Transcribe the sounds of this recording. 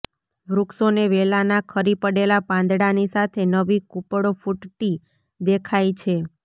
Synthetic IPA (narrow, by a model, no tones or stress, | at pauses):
bɾuksoneʋelanakʰəɾipəɽelapãnd̪ɽanisat̪ʰenəʋikupɽofuʈʈi | d̪ekʰajt͡ʃʰe